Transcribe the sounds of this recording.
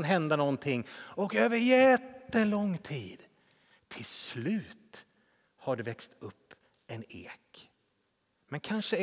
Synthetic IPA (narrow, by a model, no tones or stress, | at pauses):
nɦɛnd̪anɔnt̪ʰɪŋːɔkøːvəɾjɛt̪ːəlɔŋːt̪ʰiːd̪̥ | t̪ʰɪlslʉ̟ːt̪ | haɖɛvɛkst̪ɵpː | ɛnḛːk | mɛnkʰanʂə